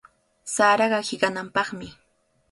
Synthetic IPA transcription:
saːɾɑɢɑhɪɢɑnampɑχmɪ

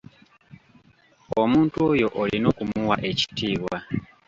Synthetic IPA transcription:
omuːntuojo̞ʔolino̞kumuwaʔe̞ci̥tiːβwa

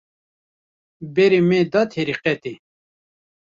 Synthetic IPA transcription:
beɾimẽd̪ɐt̪ʰheɾiqet̪i

